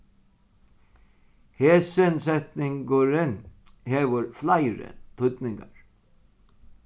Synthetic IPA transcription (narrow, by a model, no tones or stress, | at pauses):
heːsɛnsɛt̪nɪŋɡʊɾɪnheːʋəɾflajɾə̰t̪ʰʊt̪nɪŋɡaɹ